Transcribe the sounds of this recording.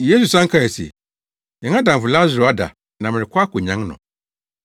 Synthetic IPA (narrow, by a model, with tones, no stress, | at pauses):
je˦s̬u˨sã˦ŋ̩˦kʰa˦˨ɛ˨sḛ˨ | jɛ̃˨ŋã˦dã˨fʊ˨la˦zʊ˨ɾo˨a˦da̰˨ | nã˨mɪ̃˨ɾɪ˨kʰʊ˦a˦kʰo˨ɲã˦ŋnʊ̰̃˨